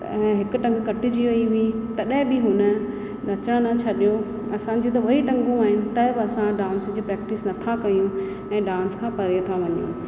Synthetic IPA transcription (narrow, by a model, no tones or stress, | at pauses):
ɦɪkʊ̆ʈɐ̃ŋɡkɐʈɪ̆d͡ʑiːʋɐiʋĩt̪ɐɗɦɪ̃bɪɦʊnə̆ | nɐt͡ɕəɽ̃nɐt͡ɕʰɐɗijo | ɐsãd͡ʑeːt̪ɐʋɐiʈɐ̃ŋɡũaːɦɪnɪ̆t̪ɐɪbɪɐsãɖãːnsd͡ʑiːpɾɛːk̚ʈɪsnɐt̪ʰakɐjũ | ɛ̃ːɖaːnskʰãːpɐɾijt̪ʰaʋɐɲjṵ̃